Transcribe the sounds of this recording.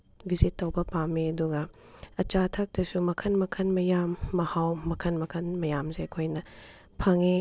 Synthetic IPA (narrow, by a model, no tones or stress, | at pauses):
bizitːɐwbɐpameɐduɡɐ | ɐt͡ʃatʰɐk̚dɐsumɐkʰɐnmɐkʰɐnmɐjamːɐhawmɐkʰɐnmɐkʰɐnmɐjamzeɐkʰojnɐ | pʰɐŋe